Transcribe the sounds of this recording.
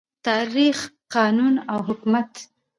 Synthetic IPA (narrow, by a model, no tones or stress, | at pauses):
t̪ɑɾixqɑnunawɦʊkmat̪